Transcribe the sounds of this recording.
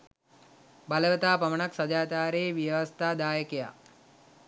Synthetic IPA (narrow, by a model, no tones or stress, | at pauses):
baləʋət̪aːpamənaksad͡ʒaːt̪aːɾeːʋiəʋast̪aːd̪aːjəkeja̰